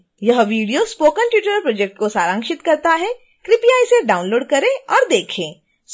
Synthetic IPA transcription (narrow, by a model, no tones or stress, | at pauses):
jɐɦʋiːɖijospoːkənʈjuːʈəɾpɾoːd͡ʒɛk̚ʈ̚kosaːɾãːŋkʃɪt̪kɐɾt̪aɦɛ | kɾɪpiaːiseɖaːʊnloːɖkɐɾẽɔːɾd̪eːkʰẽː | s